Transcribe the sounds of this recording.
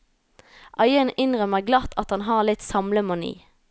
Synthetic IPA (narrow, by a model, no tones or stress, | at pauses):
ʔɑʏənɪnʁœməʁɡlɑt̪ːɑt̪hɑnɦɑːʁlɪt̪sɑmləmʊnḭː